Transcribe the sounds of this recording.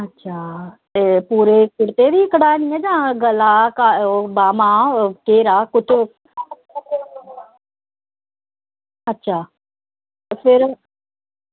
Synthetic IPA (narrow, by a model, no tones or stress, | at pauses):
ɐtːɕʰaːt̪eːpuːɾekʊɾt̪ebiɪkəɽaːnĩːə̃d͡ʑãːɡɐlakaːbaːmãkeːɾaːkʊtʊ | ɐtːɕʰaː | fɪɾ